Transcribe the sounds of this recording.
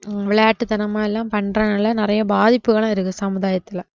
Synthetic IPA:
ʋɪɭɐjaːʈːɯt̪ɐnɐmaːɛlːãːpɐɳːɾãːnɐlːɐnɪɾɐjɐbaːðɪpːɯɣɐɭɐ̃ːɪɾɯkːɯsɐmɯðaːjɐt̪ːɪlɐ

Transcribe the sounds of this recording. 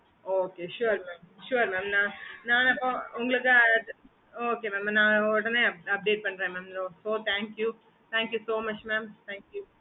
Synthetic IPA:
oːkeːʃuɾmaːmʃuɾmaːmnãːnaːnɐpːõːʊŋɡɐɭɨkːɨ | oːkeːmɛːmnãːɔɽɐnːeɐɐp̚ɖeːʈ̚pɐɳɖɾẽːmɛːmloːsoːt̪ʰæːŋkju | t̪ʰæ̃ːŋkjusoːmɐt͡ʃmæːmt̪ʰæ̃ːŋkju

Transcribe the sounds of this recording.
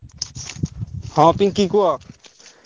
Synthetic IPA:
hãːpiŋkikua

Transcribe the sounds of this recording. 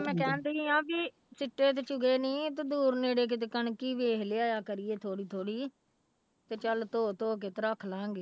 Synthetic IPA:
mɛ̃ːkɛ̃ːnd̪eiːãːbiː | sɪʈːeːt̪̬eːt͡ʃʊɡeːnĩːt̪ed̪uːɾneːɽeːk̬ɪt̪̬eːkəɳkiːʋeːkleːaːjaːkəɾieːt̪ʰoːɽiːt̪ʰoːɽiː | t̪eːt͡ʃəlt̪oːt̪oːk̬eːt̪ɾəkʰlãːŋɡeː

